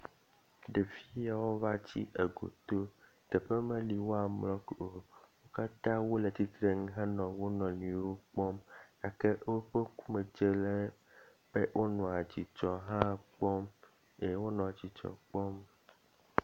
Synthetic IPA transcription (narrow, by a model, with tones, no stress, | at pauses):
ɖe˨fi˦ja˨wo˦va˦t͡ɕḭ˦ʔe˨ɡo̰˨t̪o˦ | t̪ɛ˨ɸɛ˦mẽ˦li˨wo˦a˨mlɔ˦ko˦wo˦ka˦t̪ã˦wo˦le˨t̪i˦t̪ɾe˦ŋ̩˦ɦã˦nɔ̃˨wo˦nɔ̃˨nĩ˨wo˦k͡pɔ˦ma˨kɛ˦wo˦ɸe˦ku˦me˨d͡ʒe˦le˦ | b̥e˦wʔo˦nɔ̃˨a˨d͡ʑi˨t͡ʃɔ˨ɦã˦˨k͡pɔ˦m | e˨˦wo˦nɔ̃˨d͡ʑi˨t͡ʃɔ̰˨k͡pɔ˦m